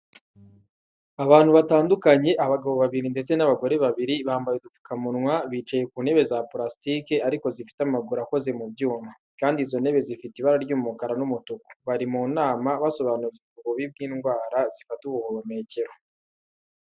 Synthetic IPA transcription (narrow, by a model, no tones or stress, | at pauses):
aβaːnhuβataːndukaɲe̞ʔaβaɡaβo̞βaβiɾinde̞t͡se̞naβaɡo̞ɾe̞βaβiɾiβaːmbajedup͡fu̥kamunŋwaβiːt͡ʃaje̞kuːne̞βe̞zaplɾastikeaɾiko̞zifi̥tamaɡuɾako̞ze̞mubjuːma | kaːndizo̞ne̞βe̞zifitiβaɾaɾɟuːmukaɾanumutuko̥βaɾimuːnaːmaβaso̞βanuzuuβuɡuβib̚ɡiːnɡwaːɾazifatuβuhoβome̞ːce̞ɾo